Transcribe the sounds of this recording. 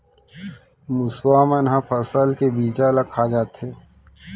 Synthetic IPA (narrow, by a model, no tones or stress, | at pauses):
mʊswaːmɐnɦãpʰɐsəlkebiːt͡ʃalakʰad͡ʒaːt̪ɦeː